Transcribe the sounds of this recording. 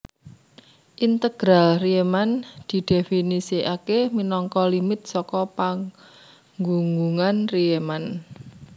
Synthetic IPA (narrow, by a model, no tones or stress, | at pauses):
ʔint̪əɡ̥ɾalriemand̪̥i̤d̪̥e̤finisiakeminɔŋkɔlimɪt̪̚sɔkɔpa | ŋɡuŋɡuŋanrieman